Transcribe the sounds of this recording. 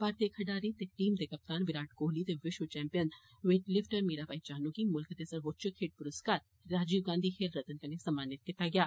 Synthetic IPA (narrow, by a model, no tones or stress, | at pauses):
paːɾt̪eːkʰɐɖaːɾit̪ekʈiːmt̪ekɐp̚t̪aːnʋɪɾaːʈɡoːɦlit̪eʋɪʃʋət͡ʃɛ̃ːmpijən | ʋeːʈlɪfʈəɾmiːɾaːpaːit͡ʃaːnũkimʊlkt̪eːsɐɾʋoːt͡ʃəkʰeʈ̚pʊɾəskaːɾ | ɾaːd͡ʒiːʋɡãːnd̪ʱikʰeːlɾɐt̪ənkɐnesɐmaːnɪt̪̚kɪt̪aɡɪjaː